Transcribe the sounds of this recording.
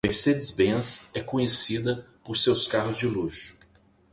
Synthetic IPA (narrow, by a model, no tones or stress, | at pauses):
meɾsed͡ʒɪzbẽsɛkõɲesid̪ɐ | pʊɾsewskaɦʊzd͡ʒɪluʃʊ̥